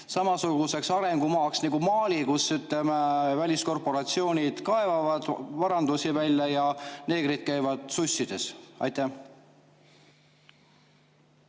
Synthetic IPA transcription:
sɑmɑsuɡ̥use̞ksɑɾe̞ŋɡ̥umɑːksniɡ̥umɑːlʲikusːyt̪ˑlemevælʲisko̞rpo̞ɾɑt̪sio̞ːnʲid̪̥kɑe̞vɑvɑd̪̥vɑɾɑnd̪̥usivælʲjɑjɑne̞ːɡ̥ɾid̪̥̚kæjvɑd̪̥susʲːid̪̥e̞sɑ̰jt̪ːæh

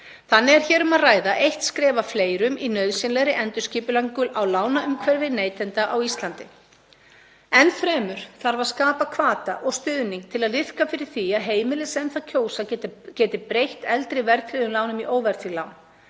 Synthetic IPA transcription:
θanːɪɛɾ̥çɛːɾʏmaðraːjðaʔejht̪skɾɛːvafleːjɾʏminœðsɪnlɛɣɾɪʔɛnt̪ʏsciːpʏlaŋkʏlʔawlaːwnaʏmkʰvɛɾvɪneːjt̪ʰɛnt̪aʔawist̪lant̪ɪ | ɛnːfɾɛːmʏɾ̥θaɾvaðskaːpakʰvaːt̪aʔɔɣst̪ʏːðniŋk̚t̪ʰɪlaðlɪðkafɪɾɪɾ̥θiaðɦeːjmɪlɪsɛnθaðcʰoːwsacɛːt̪ɪpɾejht̪ɛlt̪ɾɪvɛɾt̪ʰlɪðʏmlaːwnʏmiʔoːwvɛɾ̥θilawn

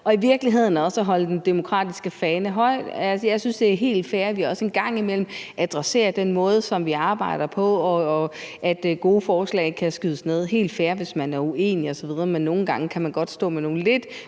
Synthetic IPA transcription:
ɒ̽iʋiɐɡ̥liɦe̝ð̞̰ˠn̩ɒ̽sæɦɒ̽ləd̥end̥emo̝kʰʁɑ̰̈ːd̥isɡ̥əfɛːnəɦɒ̽ɪ̰d̥ælsəjɑ̈ɪsynsd̥e̝æɐɦe̝̰ːld̥fæːɐʋihæɒ̽se̝nɡ̥ɑ̈ŋ̰imel̰m̩ʔæd̥ʁɑse̝̰ːɐd̥enmɔ̽ːð̞ˠsɒ̽mʋiɑ̈ːb̥ɑ̈ɪ̰ɾ̥ɐpʰɒ̽ːʔæd̥ɡ̥o̝ːəfɒːslɛ̰ɪkʰæsɡ̥yðˠəsne̝ð̞̰ˠɦe̝̰ːld̥fæːɐʋe̝smænæɐue̝̰ːniɒ̽sɒ̽ʋið̞ˠɐmenːo̝ːn̩ɡ̥ɑ̈ŋəkʰæmænɡ̥ɒ̽d̥sd̥ɔ̰̽ːmeno̝ːn̩le̝d̥

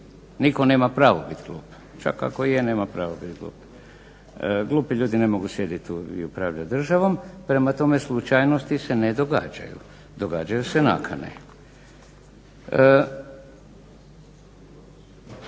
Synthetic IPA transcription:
nikone̞ːmapɾaːʋobit̪ɡlˠṵːp | t͡ʃa̰ka̰kojeneːmapɾaːʋobit̪ɡlˠṵːp | ɡlˠuːpiʎuːd̪ine̞mo̞ɡusjed̪it̪uḭupɾaːʋʎad̪r̩ʒaʋo̞mpɾe̞mat̪o̞me̞slˠut͡ʃajnost̪ise̞ned̪o̞ɡa̰ːd͡ʒa̰jṵ | d̪o̞ɡa̰ːd͡ʒajuse̞na̰kʰanḛ

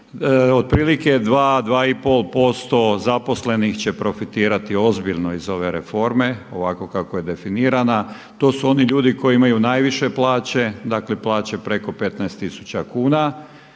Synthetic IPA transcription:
od̪̚pɾiːlike̞d̪ʋaːd̪ʋaːipo̞lˠpo̞st̪o̞zapo̞sle̞nixt͡ɕe̞pɾo̞fit̪iːɾat̪io̞zbiʎno̞izo̞ʋe̞ɾefo̞ɾme̞o̞ʋako̞kakoje̞d̪e̞finiːɾana | t̪o̞ːsuo̞niʎuːd̪iko̞jiimajunajʋiʃe̞plˠaːt͡ɕe̞d̪aːkleplˠaːt͡ɕe̞pɾe̞ko̞pe̞t̪naest̪isu̥t͡ɕakuːna

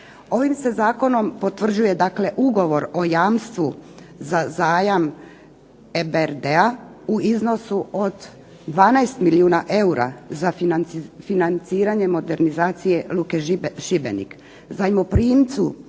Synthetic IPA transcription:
o̞ʋimse̞zaːko̞no̞mpo̞t̪ʋr̩d͡ʑuje̞d̪akle̞ʔuɡo̞ʋo̞ɾo̞jaːmst̪ʋu | zazaːjam | ebeɾd̪eauizno̞suʔod̪ | d̪ʋaːnaest̪miliuːnaʔe̞uɾa̰zaianfinant̪siːɾaɲe̞mo̞d̪e̞ɾnizaːt̪sije̞lukeʃibḛnḭk | zajmopɾiːmt̪su

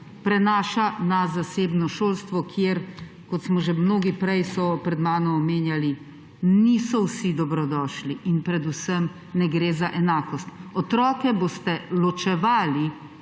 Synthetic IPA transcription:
pɾɛnaːʃanazaseːbnɔʃoːlst̪ʋɔkʰjeɾ | kɔt̪smɔʒɛmnoːɡipɾɛjsɔpɾɛd̪maːnɔmɔmeːnjali | niːsɔwsid̪ɔbɾɔd̪ɔːʃliʔinpɾɛd̪usəm | nɛɡɾeːzaʔɛnaːkɔst̪ɔt̪ɾɔːkɛboːst̪ɛlɔt͡ʃɛʋaːli

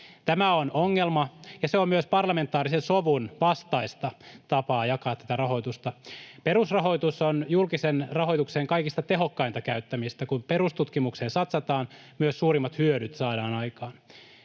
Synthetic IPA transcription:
t̪æmæonoŋːelmɑjɑseommyøspɑrlɑme̞nt̪ːˑɑːɾisensoʋunʋɑst̪ɑist̪ɑt̪ɑpɑːjɑkɑːt̪ːæ̥t̪ærɑɦo̞jt̪ust̪ɑpeɾusrɑɦo̞jt̪usonjulkisenrɑhoijt̪ukseːŋkɑikist̪ɑt̪e̞ɦokːɑint̪ɑkæyt̪ːæmist̪ækumpeɾust̪ut̪kimukseːnsɑt̪sɑt̪ɑːnmyøsːuːɾimːɑt̪hyøɾyt̪sɑːdɑːnɑikɑːn

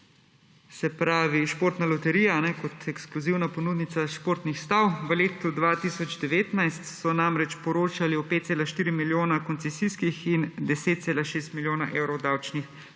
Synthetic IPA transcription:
sɛpɾaːʋiʃpoːɾt̪nalɔt̪ɛɾiːjaanɛkɔt̪ʰɛkskluziwnapɔnuːd̪nit̪saʃpoːɾt̪nixst̪awʋəleːt̪ud̪ʋaːt̪isɔd͡ʒd̪ɛʋeːt̪najst̪sɔnamɾɛt͡ʃpɔɾoːt͡ʃaliɔpet̪t̪seːlaʃt̪iːɾimiljoːnakɔnt̪sɛsiskixind̪ɛseːt̪̚seːlaʃeːst̪miljoːnaʔeːwɾɔwd̪awt͡ʃnix

